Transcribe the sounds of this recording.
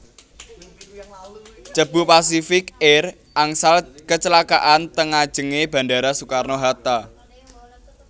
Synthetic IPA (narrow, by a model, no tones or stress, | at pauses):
t͡ʃəb̥upasifɪkɛr | ʔaŋsalkət͡ʃəlaka̰ʔant̪əŋad̥ʒ̥ə̤ŋeb̥ä̤ndaɾasukarnoɦat̪a